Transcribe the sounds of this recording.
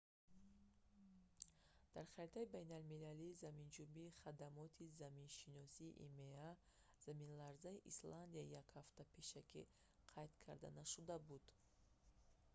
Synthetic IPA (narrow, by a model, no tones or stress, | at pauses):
d̪̥aɾχaɾit̪ʰaibajnalmilaliːzamind͡ʒubiːχad̪amɔt̪ʰizaminʃinɔsiːʔḭmea | z̥aminlaɾzaiʔisland̪iaijakhaft̪apʰeʃakʰḭ | qʰajt̪kʰaɾd̪a̰naʃud̪abud̪̥